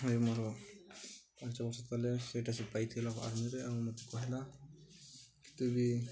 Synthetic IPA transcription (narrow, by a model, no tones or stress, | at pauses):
emɔɾɔ | pãnt͡ʃɔbɔsɔt̪aleseʈasipajt̪ʰilakɔa̰ɾmiɾeawmot̪i̥kɔɦela | ki̥t̪ubi